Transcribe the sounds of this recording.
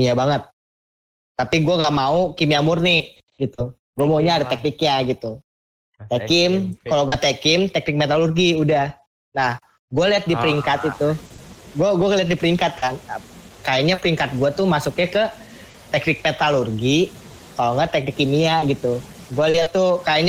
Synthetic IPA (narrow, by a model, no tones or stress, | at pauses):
jabaŋət̪̚ː | apiɡuaŋɡaʔmaukimiamurni | ɡit̪u | ɡuamauɲaːdat̪ɛk̚nɪk̚ɲaɡit̪u | t̪ɛkɪmkaloŋɡat̪ɛkɪmt̪ɛk̚nɪk̚met̪alurɡiudah | nah | ɡualiat̪̚dipəɾiŋkat̪it̪uɡuaɡuaŋaliat̪̚dipəɾiŋkat̪̚kʰankajaɲapəɾiŋkat̪̚ɡuat̪umasʊk̚ɲakə | t̪ɛk̚nɪk̚met̪alurɡi | kaloŋɡat̪ɛk̚nɪkːimiaɡit̪u | ɡualiat̪ːukajaɲa